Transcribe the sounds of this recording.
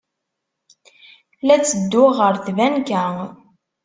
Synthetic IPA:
læt͡sːəd̪ːʊʁəɾθvænkæŋ

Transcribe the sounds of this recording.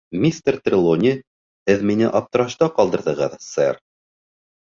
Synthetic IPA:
mʲist̪ert̪rʲilˠonʲi | hɘðminɘʔɑp̚t̪ɤ̆ɾɑʃt̪ɑqɑlˠd̪ɤ̆ɾðɤ̆ʁɤðsɛr

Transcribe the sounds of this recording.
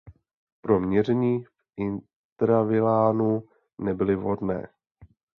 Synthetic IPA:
pɾo̞mɲɛr̝ɛɲiːfʔɪn | t̪ɾavɪlaːnu | nɛbɪlɪvɦo̞dnɛ̰ː

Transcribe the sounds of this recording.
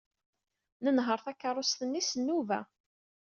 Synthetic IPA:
nənɦəɾˤθækːəɾˤːost̪ənːisənːuvæ̰

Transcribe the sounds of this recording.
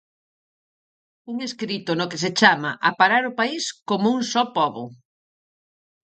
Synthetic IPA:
uŋeskɾit̪ʊnʊkes̬et͡ʃamɐ̰ʔapaɾaɾʊpaiskomouŋsɔpɔβʊ̰

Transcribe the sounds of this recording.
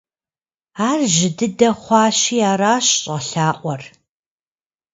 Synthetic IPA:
aːrʒɪdɨdɐχʷɑːɕiːaːɾaːɕɕʼəɬaːʔʷɔr

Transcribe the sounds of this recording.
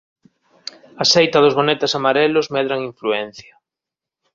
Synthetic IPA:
asejt̪aðozβonet̪asamaɾelozmɛðɾaŋiɱfluɛn̟θja

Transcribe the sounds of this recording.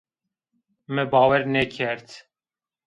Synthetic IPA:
mɨbɑːwɛɾnɛkʰɛɾt̪

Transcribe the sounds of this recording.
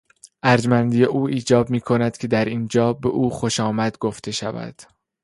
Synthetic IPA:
ʔæɾd͡ʒmænd̪ije̞ʔuːiːd͡ʒɒːb̚miːkʰo̞næd̪̥cʰe̞d̪æɾind͡ʒɒːbe̞ʔuːxo̞ʃɒːmæd̪ɡo̞ft̪ʰe̞ʃævæ̰d̪̥

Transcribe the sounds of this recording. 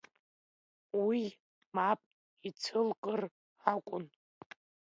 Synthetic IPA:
wi | mapʼ | it͡sʰɨlqʼər | akʷʼʊn

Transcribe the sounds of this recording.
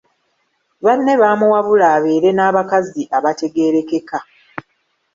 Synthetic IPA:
βanːe̞βaːmuwaβulaːβeːɾe̞naːβakaziʔaβate̞ɡe̞ːɾe̞ke̞ka

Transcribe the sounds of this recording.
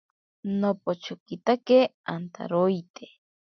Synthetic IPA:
nopot͡ʃokit̪akeant̪a̰ɾojt̪e

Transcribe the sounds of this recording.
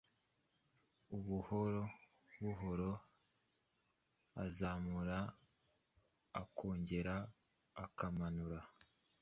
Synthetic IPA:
uβuhoɾo | βuɦo̞ɾo̞ | a̰zaːmuɾa | kʰo̞ːɲɟe̞ɾaː | kamanuɾa

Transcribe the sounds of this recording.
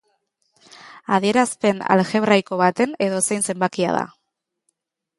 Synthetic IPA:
aðie̞ɾaspe̞na̰lxe̞βɾajko̞β̞at̪e̞ne̞ðo̞sejnse̞mbakia̰ð̞a̰

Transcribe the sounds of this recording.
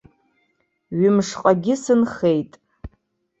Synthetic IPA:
ɥɪmʂqʼaɡʲɪsɨnχejtʼ

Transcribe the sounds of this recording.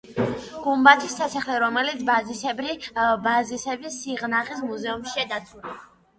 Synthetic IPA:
ɡ̥umbat̪ʰisːasaχlɛɾɔmɛlit̪sʰbazisɛɾibazisɛbisiʁnaχismuzɛumʃiad̪at̪sʰula

